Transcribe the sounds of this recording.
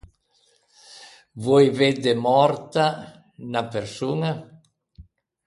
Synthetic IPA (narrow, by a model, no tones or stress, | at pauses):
vɔjved̪emɔɾt̪a | napeɾsuːŋa